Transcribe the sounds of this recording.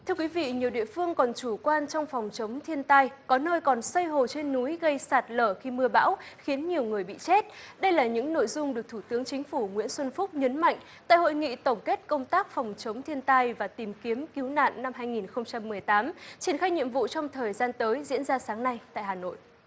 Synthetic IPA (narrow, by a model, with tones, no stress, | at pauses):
t̪ʰɨ˧əkwi˨˦vḭ˧˨ɲi˨˩əwɗḭ˧˨əfɨ˧əŋkɔ˨˩nt͡ɕu˧˩kwaː˧nt͡ɕɔ˧wŋ͡mfɔ˨˩wŋ͡mt͡ɕə˨˦wŋ͡mt̪ʰi˧ənt̪a˧jkɔ˨˦nəː˧jkɔ˨˩nsə˧jɦo˨˩t͡ɕe˧nːu˨˦jɣə˧jsaː˨˩t̚ləː˧˩xi˧mɨ˧əɓa̰ː˧˥wxi˨˦ənɲi˨˩əwŋɨ˨˩əjɓḭ˧˨t͡ɕe˦˥t̚ɗə˧jlaː˨˩ɲɨ̰˧˥ŋno̰˧˨jzʊ˧ŋ͡mɗɨ˨˩ək̚t̪ʰu˧˩t̪ɨ˨˦əŋt͡ɕï˨˦ŋ̟fu˧˩ŋwḭ˧˥ənswə˧nfʊ˦˥k͡p̚ɲə˨˦nma̰˧˨jŋ̟ | t̪a̰ː˧˨jho̰˧˨jŋḭ˧˨t̪ə˧˩wŋ͡mke˦˥t̚kə˧wŋ͡mt̪aː˦˥k̚fɔ˨˩wŋ͡mt͡ɕə˨˦wŋ͡mt̪ʰi˧ənt̪a˧jvaː˨˩t̪i˨˩mki˨˦əmki˨˦wna̰ː˧˨nːa˧mɦaː˧jŋi˨˩nxə˧wŋ͡mt͡ɕa˧mːɨ˨˩əjt̪aː˨˦mt͡ɕi˨˩ənxaː˧jɲḭ˧˨əmvṵ˧˨t͡ɕɔ˧wŋ͡mt̪ʰəː˨˩jzaː˧nt̪əː˨˦jzḭ˧˥ənzaː˧saː˨˦ŋna˧jt̪a̰ː˧˨jɦaː˨˩no̰˧˨jʔ